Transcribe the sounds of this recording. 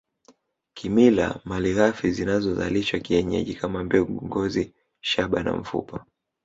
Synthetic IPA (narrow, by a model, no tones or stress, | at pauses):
kʰimila̰maliɣafizinazɔza̰liʃwakiɛɲɛ̰ʄikamambɛŋɡɔzi | ʃaɓana̰m̩fṵpa